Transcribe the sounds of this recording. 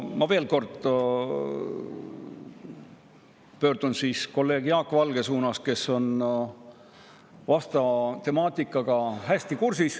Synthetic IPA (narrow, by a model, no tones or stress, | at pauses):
mɑve̞ːlko̞rd̪̥ | pø̞ːrd̪̥unsiːsko̞lːe̞ːɡ̥jɑːkːˑvɑlɡ̥e̞suːnɑske̞so̞n | vɑst̪ɑt̪e̞mɑːt̪ˑikˑːɑɡ̥ɑɦæsʲt̪ikursis